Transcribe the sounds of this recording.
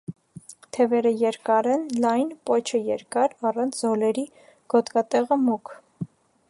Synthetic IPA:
t̪ʰɛvɛɾəjɛɾkɑɾɛnlɑjnpɔt͡ʃʰəjɛɾkɑɾɑrɑnt͡sʰzɔlɛɾi | ɡ̥ɔt̪kɑt̪ɛʁəmukʰ

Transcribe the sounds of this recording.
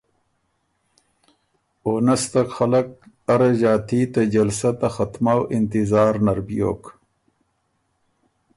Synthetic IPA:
oːnɐst̪ɐkxɐlɐk̚ | ɐɾɐʑaːt̪ʰiːt̪ad͡ʑɐlsɐt̪ɐxɐt̪mawʔint̪izaːɾnɐɾbijo̰ːk

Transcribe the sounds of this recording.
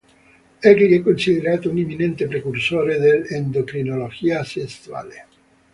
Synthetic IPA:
ɛkliɛkːonsiðeɾat̪ounimːinent̪epɾekursoɾeðelend̪okɾinoloʝiasest̪wa̰le

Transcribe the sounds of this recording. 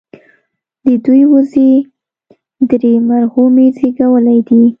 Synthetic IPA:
d̪əd̪ujwuze | d̪ɾemaɾhumezeɡawəlajd̪i

